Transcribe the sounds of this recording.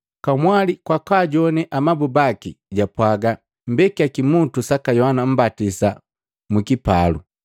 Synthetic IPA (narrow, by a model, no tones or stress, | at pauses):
kamwalikwakaɟɔnɛʔamabubakiɟapwaɡa | m̩bɛkiakimutusakajɔhanam̩batisa | mukipalṵ